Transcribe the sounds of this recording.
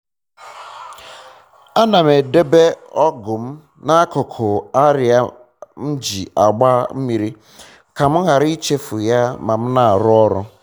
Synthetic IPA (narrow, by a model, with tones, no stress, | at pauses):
a˦na˨me˨de˦be˦ɔ˦ɡʊ˨m̩˦ | na˦kʊ˨kʰʊ˨a˦ɾɪ˨a˦ | m̩˦d͡ʒi˨a˨ɡ͡ba˦m̩˦mi˨ɾi˦ | ka˨m̩˦ɣa˨ɾi˦i˦t͡ʃe˦fʊ˨ja˦ma˨m̩˦na˨a˨ɾʊ˦ɔ˦ɾʊ̰˦